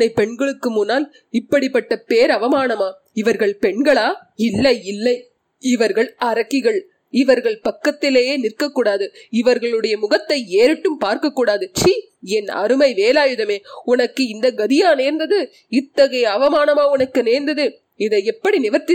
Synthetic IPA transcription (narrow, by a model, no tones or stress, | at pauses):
ɐɪpɛɳɡɐɭɯkːɯmʊnːaːl | ɪpːɐɽɪpːɐʈːɐpeːɾɐʋɐmaːnɐmaː | ɪʋɐɾɣɐɭpɛɳɡɐɭaː | ɪlːɐɪɪlːɐɪ | ɪʋɐɾɣɐɭɐɾɐkːɪɣɐɭ | ɪʋɐɾɣɐɭpɐkːɐt̪ːɪleːjeːnɪrkɐkːuːɽaːðɯɪʋɐɾɣɐɭɯɽɐjɐmʊɣɐt̪ːɐɪeːɾɪʈːɯmpaːɾkɐkːuːɽaːðɯt͡ʃiː | ɛnɐ̰ɾɯmɐɪʋeːlaːjɯðɐmeːʊnɐkːɯɪnd̪ɐɡɐðɪjaːneːɾnd̪ɐðɯ | ɪt̪ːɐɣɐɪɐʋɐmaːnɐmaːʊnɐkːɯneːɾnd̪ɐðɯ | ɪðɐɪɛpːɐɽinɪʋɐɾt̪ːɪ